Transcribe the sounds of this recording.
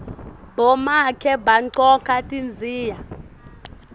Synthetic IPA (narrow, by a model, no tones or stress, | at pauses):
b̥ɔmakʰɛbaǀɔkʰʼatʼind͡zʱiːja